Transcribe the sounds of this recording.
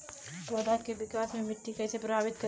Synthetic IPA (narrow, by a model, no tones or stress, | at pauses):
wəd̪ʱakːebikasmemɪʈ̪ːikəjsepɾɐbʱabit̪kə